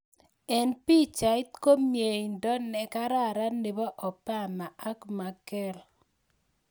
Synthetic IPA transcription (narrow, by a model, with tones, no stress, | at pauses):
ɛ˨npi˦t͡ʃa˨ɪ˦t̪ko˦mje˨i˨ndɔ˦nɛ˨ka˦ɾa˦˨ɾa˦ne˨bɔ˦ʔɔ˨pa˦˨ma˨a˦kma˨kɛ˦l